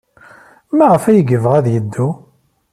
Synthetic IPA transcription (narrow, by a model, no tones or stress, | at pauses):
mæʁəfæjəɡəvʁæðjəd̪ːu